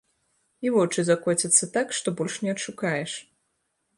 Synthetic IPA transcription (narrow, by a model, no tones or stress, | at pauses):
ivɔt͡ʂɨzakɔt͡sʲɐt̪sːɐt̪akʂt̪ɔbɔlʲʂnʲɛɐtʂukajɛʂ